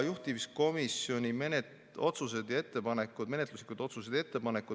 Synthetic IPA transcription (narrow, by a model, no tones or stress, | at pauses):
juht̪ivisko̞misjo̞nʲimenet̪ | o̞t̪suse̞d̪̥jɑe̞t̪ːe̞pɑne̞kːˑud̥̪me̞net̪luslikud̪̥o̞t̪sused̪̥e̞t̪ːe̞pɑne̞kːˑud̪